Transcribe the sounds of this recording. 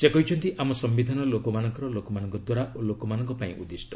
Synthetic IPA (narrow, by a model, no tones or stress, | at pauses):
sekɔɦit͡ʃʰɔnt̪iʔamɔsɔmbid̪ʱanɔlokɔmanɔŋkɔɾɔlokɔmanɔŋkɔd̪waɾaʔolokɔmanɔŋkɔpaḭ̃ʔṵd̪isʈɔ